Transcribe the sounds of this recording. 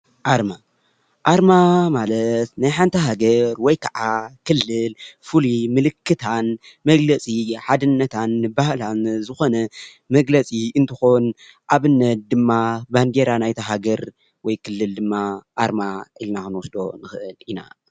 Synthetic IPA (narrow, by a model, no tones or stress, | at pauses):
ʔaɾma | ʔaɾmamalɐt̪najħant̪ʰɐɦaɡɐɾwɔjkʰaʕakʰɨlːɨlfɨlimɨlɨkʰːɨt̪ʰan | mɐɡlɐt͡sʼiħad̪ɨnːɐt̪ʰanbahlanzɨxo̞nɐ | mɐɡlɐt͡sʼiɨnt̪ʰɨxo̞n | ʔaβɨnːɐt̪̚d̪ɨmːaband̪e̞ɾanajt̪ʰɐɦaɡɐɾ | wɔjkʰɨlːɨld̪ɨmːaʔaɾmaʔilnakɨnwɔsd̪o̞̰nɨxɨʔɨlina̰